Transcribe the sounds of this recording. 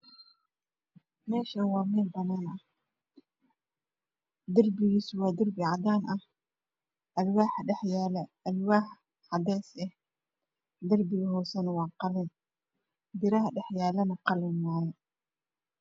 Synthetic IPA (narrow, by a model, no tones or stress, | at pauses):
mɛːʃɐnwɑːmɛːlbɐnaːnʔɐh | d̪ɐrbɪɣiːsʊwɑːd̪ɐrbɪʕɑd̪aːnʔɐh | ʔɐlwaːħɖɛħjaːlɛʔɐlwaːħ | ħɑd̪ɛːsɛh | d̪ɐrbɪɣɐɦɔːsɐnwɑːqɑlɪn | b̪ɪɾɐɦɐɖɛħjaːlɐnɐqɑlɛnmaːjɛ